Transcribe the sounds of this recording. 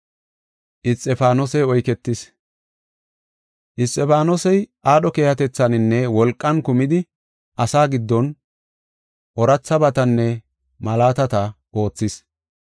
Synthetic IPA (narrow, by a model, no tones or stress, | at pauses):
ʔɪst̪ʼːɛfaːnosɛɔjkɛt̪ːɪs | ʔɪst̪ʼːɛfaːnosɛjʔaːɗɔkeːhɐt̪ɛt͡sːɐnɪnːɛwɔlkʼːɐnkʊmɪd̪ɪ | ʔɐsaːɡɪd̪ːɔn | ʔɔɾɐt͡sːɐbɐt̪ɐnːɛ | mɐlaːt̪ɐt̪ɐ | ʔo̞ːt͡sːɪs